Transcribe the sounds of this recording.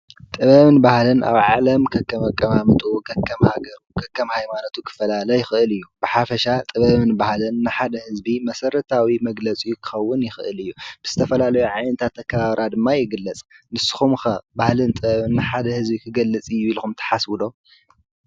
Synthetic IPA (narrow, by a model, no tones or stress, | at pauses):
t̪ʼɨβɐβɨnbahlɨnʔa̰βʕalɐmkʰɐkʰʼːɐmɐkʼːɐmamɨt̪ʼuɡɐkʰːɐmhaɡɐɾukʰɐkʰːɐmhajmanot̪ʰukʰɨ̥fɐlalɐjɪxɨʔɨlɨjːub̥ɨħafɐʃat̪ʼɨβɐmɨnbahlɨnːɨħad̪ɐhɨzbimɐsɐɾɐt̪ʰawimɐɡlɐt͡sʼijukʰɨ̥xɐwːʊnjɪxɨʔɨ̰lɨjːub̥ɨz̥ɨt̪ʰɐfɐlalɐjuʕajnɐt̪ʰat̪ʰːɐkʰːɐβaβɾʔad̪ɨmːajɪɡɨlːɐt͡sʼnɨsːɨ̥xumxɐbahlɨnt̪ʼɨβɐβɨnːɨħad̪ɐhɨzbikʰɨɡɐlːɨt͡sʼɨjːuilxumt̪ʰɐ̥ħaswɨd̪o̞